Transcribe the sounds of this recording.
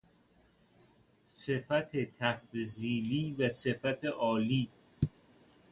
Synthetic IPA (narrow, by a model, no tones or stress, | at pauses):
sefæt̪ʰet̪ʰæfziːliːvæse̞fæt̪ʰeʔɒːliː